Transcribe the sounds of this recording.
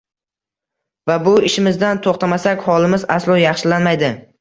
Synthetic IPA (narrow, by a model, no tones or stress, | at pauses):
vabʊɪʃɪmɪzd̪ant̪ʰoχt̪ʰamasakʲhɒlˠɪmɪza̰slˠɒjɑχʃɪlanmajd̪ɪ